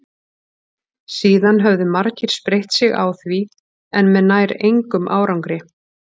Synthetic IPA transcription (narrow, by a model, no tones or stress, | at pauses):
siːðanɦœvðʏmaɾcɪɾ̥spɾejht̪sɪɣa̰wθvi | ɛnmɛðnaːjɾejŋkʏmʔa̰ːwɾawŋkɾɪ